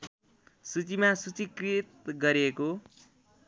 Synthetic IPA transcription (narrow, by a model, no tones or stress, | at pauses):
sut͡simasut͡sikrit̪̚ɡʌɾeko